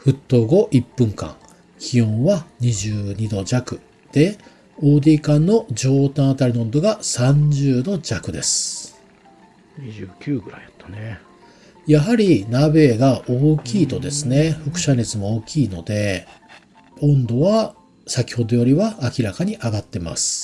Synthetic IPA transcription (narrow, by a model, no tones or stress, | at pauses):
ɸɯ̟t̪ːo̞ːɡo̞ʔipːɯ̟̃ŋkã̰ŋ | kʲʰiõ̞ɰ̃βaɲ̟iʑɨːɲ̟id̪o̞d͡ʑakɯ̟ | d̪̥e̞ | o̞ːd̪iːkãnːo̞d͡ʑo̞ːt̪ãɰ̃ːt̪aɾʲinõnd̪o̞ɡasãɲ̟d͡ʑɨːd̪o̞d͡ʑakɯ̟d̪e̞sɨ̥ | ɲiʑɨkʲɨːɡɯ̟ɾaat̪ːo̥ne | jaɦaɾʲinabe̞ːɡaʔoːkʲiːt̪o̞d̪e̞sɨne̞ɸɯ̟kɯ̟̥ɕane̞t͡sɨmo̞oːkʲiːno̞d̪e̞ | õ̞nd̪o̞βa | sakʲi̥ho̞d̪o̞jo̞ɾʲiβaʔːkʲiɾakaɲ̟iʔaɡat̪ːe̞ma̰sɨ̥